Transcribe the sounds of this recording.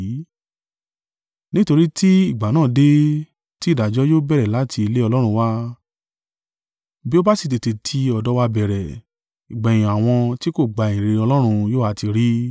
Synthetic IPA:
nĩ˦to˧ɾi˦tʰi˦i˦˨ɡ͡ba˨˦nãː˦˨de˦ | ti˦˨da˨d͡ʒɔ˨˦joː˦bɛ˦˨ɾɛ˨la˨˦tʰi˧i˧le˦ɔ˧lɔ˦ɾ̃ũ˧wa˦ | bi˦o˦ba˦si˦˧te˨te˨tʰi˧ɔ˧dɔ˦wa˧bɛ˨ɾɛ˨ | i˨ɡ͡ba˨j̃ĩ˨a˨w̃ɔ̃˧ti˦ko˦˨ɡ͡ba˧˨ĩ˨ɾe˧ɔ˧lɔ˦ɾ̃ũ˧joː˦a˧ti˧ɾi˦

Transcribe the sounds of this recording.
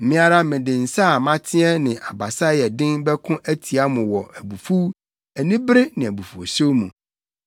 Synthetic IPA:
m̩˨mɪ̃˦a˦ɾa˦mɪ̃˨dɪ̃˨n̩˨sa˦˨mã˦tʰɪ˦ɛ˦nɪ̃˨ʔa˨ba˨sa˦jɛ˨dɪ̃˦nbɛ˦kʰʊ̃˦ʔæ˦tʰi˨a˦mʊ̃˨wɔ˨æ˨bu˨fu˦ | æ˨nĩ˦bɾɪ˦nɪ̃˨æ˨bu˨fu˨o˨so˦mṵ̃˨

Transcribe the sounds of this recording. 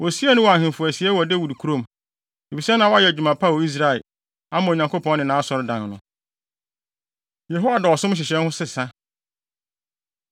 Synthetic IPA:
wɔ˨si˦æ˦nʊ̃˦wa˨hɪ̃˨n˨fʊ˨æ˨si˨ɛ˦wɔ˨de˦wu˨dkʰu˦ɾõ˦˨m | e˨fi˨sɛ˦nã˨wɔ˦a˦ɛ˨æ˨d͡ʑᶣu˨mã˨pʰa˦˨˦i˦s̬ɾa˨ɪ˨ | a˦mã˨o˨ɲã˨ŋkʰo˦pʰɔ̃˦nnɪ̃˨nãː˨˦sɔ˨ɾɪ˦dã˨nnʊ̃˨˦ | je˨ɦo˦a˨da˨ɔ˨sʊ̃˦m˦ɕ̬ɪ˨ɕɛ̃˦nhʊ˦sɪ˦sã˦

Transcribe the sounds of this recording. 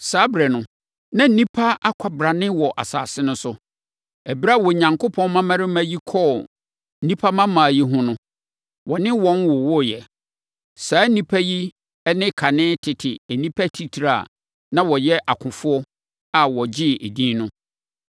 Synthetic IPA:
saː˦bɾɛ˨nʊ̃˦ | nã˦n̩˨nĩ˦pʰa˦a˦kʷʰa˨bɾa˨nɪ̃˦wɔ˨ʔa̰˨sa̰ː˨sɪ˦nʊ̃˦sʊ˦ | ɛ˨bɾa˦˨wɔ˨ɲã˨ŋkʰʊ˦pʰɔ̃˦nmã˦mã˦ɾɪ˦mã˦ji˦kʰɔ˦ | n̩˦nĩ˦pʰa˦mã˦mã˨ji˦ɦʊ̃˦nʊ̃˦ | wɔ˨nɪ̃˦wɔ̃˦nwʊ˨wʊ˦jɛ˨ | saː˨˦nĩ˦pʰæ˦ji˦ | ɛ˦nɪ̃˦kʰa˨nɪ̃˦tʰɪ˨tʰɪ˨æ˨nĩ˦pʰa˦tʰi˦tʰi˨ɾa̰˨ | nã˦wɔ˨jɛ˦ʔa˨kʷʰʊ̃˨fʊ˦ɔ˦ | a˨wɔ˨d͡ʑɪ˦e˨dĩ˦nʊ̃˦

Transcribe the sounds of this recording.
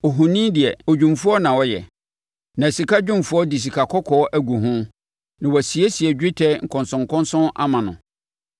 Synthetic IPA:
ɔ˨ɦu˨nĩː˦dɪ˨ɛ˨o˨d͡ʑᶣũ˨mfu˦ɔ˦nã˨wɔ˦jɛ̰˨ | nã˨si˨ka˦d͡ʑᶣʊ̃˦mfu˦ɔ˦di˨s̬i˨kʰa˨kʰɔ˦kʰɔː˨˦ʔæ˦ɡu˨ɦʊ̃˦ | nã˨wɔ˨si˨e˦si˨ɛ˨d͡ʑᶣɪ˦tʰɛ˦ŋ̩˨kʰɔ̃˨nsʊ̃˨ŋ̩˨kʰɔ̃˦nsʊ̃˦ʔa̰˦mã˨nʊ̰̃˨

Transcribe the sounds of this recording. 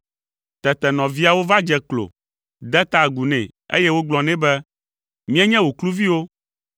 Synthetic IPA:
t̪ɛ˨t̪ɛ˨nɔ̃˨vi˦a˨wo˦va˦d͡ʒɛ˨klo̰˨ | d̪ɛ˦t̪a˦ɡu˨nɛ̰̃˨ḛ˦jɛ˦wo˦ɡ͡blɔ̃˨nɛ̃˦bɛ˦ | mĩ˦ɛ˦ɲɛ̃˦wo˨klu˦vi˦wo˦

